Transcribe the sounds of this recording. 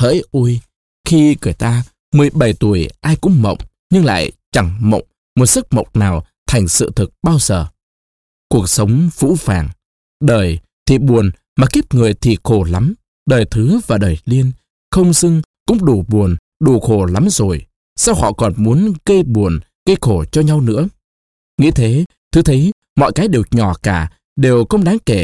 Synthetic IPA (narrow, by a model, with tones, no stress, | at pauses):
hə̰ː˧˥jʔu˧j | xi˧kɨ˧˩əjt̪aː˧ | mɨ˨˩əjɓə˨˩jt̪u˧˩əjʔaː˧jkʊ̰˧˥ŋ͡mmə̰˧˨wŋ͡m | ɲɨ˧ŋla̰ː˧˨jt͡ɕa˨˧˩ŋmə̰˧˨wŋ͡m | mo˨˩t̚sɨ˦˥k̚mə̰˧˨wk͡pŋ͡m̚naː˨˩w | t̪ʰa˨˩jŋ̟sɨ̰˧˨t̪ʰɨ˨˩k̚ɓaː˧wzəː˨˩ | ku˨˩ək̚sə˨˦wŋ͡mvṵ˧˥faː˨˩ŋ | ɗəː˨˩j | t̪ʰi˨˩ɓu˨˩ən | maː˨˩ki˦˥p̚ŋɨ˨˩əjt̪ʰi˨˩xo˧˩la˨˦m | ɗəː˨˩jt̪ʰɨ˨˦vaː˨˩ɗəː˨˩jli˧ən | xə˧wŋ͡msɨ˧ŋkʊ̰˧˥ŋ͡mɗu˧˩ɓu˨˩ən | ɗu˧˩xo˧˩la˨˦mzo˨˩j | saː˧whɔ̰˧˨kɔ˨˩nmu˨˦ənɣə˧jɓu˨˩ən | ɣə˧jxo˧˩t͡ɕɔ˧ɲa˧wnɨ̰˧˥ə | ŋḭ˧˥t̪ʰe˨˦ | t̪ʰɨ˨˦t̪ʰə˨˦j | mɔ̰˧˨jkaː˨˦jɗe˨˩wɲɔ˧˩kaː˧˩ | ɗe˨˩wxə˧wŋ͡mɗaː˨˦ŋke˧˩